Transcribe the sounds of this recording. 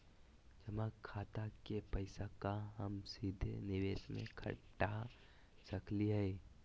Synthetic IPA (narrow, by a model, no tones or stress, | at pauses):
d͡ʒəmakʰːaːt̪akepəɪsakaɦəmsiːd̪ʱenɪʋeːsmḛ̃kʰə̰ʈa | səkliɦəi